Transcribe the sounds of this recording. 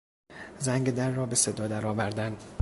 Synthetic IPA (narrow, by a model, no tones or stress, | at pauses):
zæŋɡed̪æɾːɒːbe̞sed̪ɒːd̪æɾɒːvæɾd̪æn